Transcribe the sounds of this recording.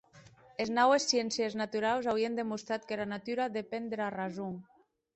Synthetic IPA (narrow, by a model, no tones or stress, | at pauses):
eznawesːjɛnsjeznat̪uɾawzawiend̪emust̪ɾat̪kelanat̪yɾaðepend̪ɾarazuŋ